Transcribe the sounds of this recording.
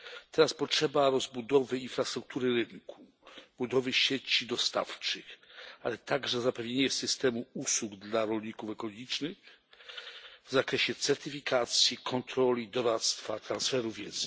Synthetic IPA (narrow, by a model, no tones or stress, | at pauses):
t̪ɛɾaspɔtʂɛbaɾɔzbud̪ɔvɘinfɾast̪ɾuk̚t̪uɾɘɾɘŋkʰu | bud̪ɔvɘɕet͡ɕid̪ɔst̪a̰ft͡ʂɘxalɛt̪aɡʐɛzapɛvɲeɲɛsɘst̪ɛmuuswuɡd̪laɾɔlʲɲikufɛkɔlɔɡʲit͡ʂnɘx | vzakɾɛɕɛt̪sɛɾt̪ɘfʲikʰat̪sʲjikʰɔnt̪ɾɔlʲid̪ɔɾat̪st̪fat̪ɾansfɛɾuvʲjɛd̪z